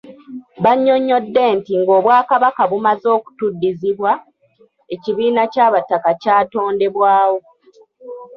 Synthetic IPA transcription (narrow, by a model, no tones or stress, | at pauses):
βaɲːo̞ɲːo̞dːe̞ːntiŋɡo̞ːβwaːkaβakaβumazo̞ːku̥tudːiziβwa | e̞ciβiːnacaːβatːakacaːto̞ːnde̞βwaːwo̞